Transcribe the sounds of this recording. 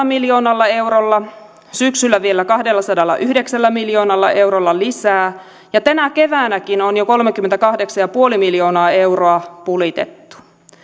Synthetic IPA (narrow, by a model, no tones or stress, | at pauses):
miljo̞ːnɑlːɑe̞wɾolːɑ | syksylːæʋielːækɑhdelːɑsɑdɑlːɑ̰ʔyhdeksælːæmiljo̞ːnɑlːɑʔe̞wɾolːɑlisæː | jɑt̪ænækeʋæːnækinonjoko̞lmekymːent̪ækɑhdeksɑjɑpuolimiljo̞ːnɑːe̞wroɑpulit̪ḛt̪ːu̥